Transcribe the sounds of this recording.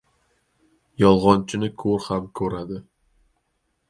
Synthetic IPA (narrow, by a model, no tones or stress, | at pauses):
jɒlˠʁɒnt͡ʃʰɪnɪkʰɵɾhamkʰɵɾad̪ɪ